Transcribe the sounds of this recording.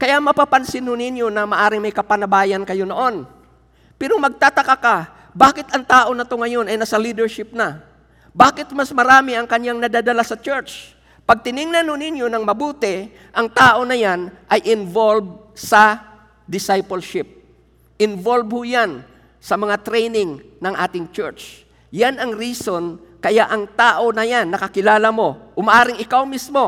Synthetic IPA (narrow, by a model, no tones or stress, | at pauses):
kɐjamɐpapansɪnhonɪnjo̞nɐmɐʔaːɾɪŋmɐjkɐpanɐbaːjɐnkɐjonoʔon | pɛɾomɐɡ̚t̪at̪ɐkaka | baːkɪt̪ɐŋt̪aːʔo̞nɐt̪oŋɐjonɐjnɐsalid̪ɛɹʃɪp̚na | baːkɪt̪̚masmɐɾaːmɪʔɐŋkɐɲjaŋnɐd̪ad̪ɐlasɐt͡ʃɛɹt͡ʃ | pɐɡ̚t̪ɪnɪŋnɐnhonɪnjo̞nɐŋmɐbuːt̪ɪ | ʔɐŋt̪aːʔo̞nɐjanʔɐjʔɪnvolb̚ | sɐ | d̪ɪsajpɐlʃɪp̚ | ɪnvolbhojan | sɐmɐŋat̪ɾɛjnɪŋnɐŋʔaːt̪ɪŋt͡ʃɛ̰ɹt͡ʃ | janɐŋɾiːso̞n | kɐjaʔɐŋt̪aːʔo̞nɐjanːɐkɐkɪlaːlɐmo̞ʔʊmaʔaːɾɪŋɪkawmismo̞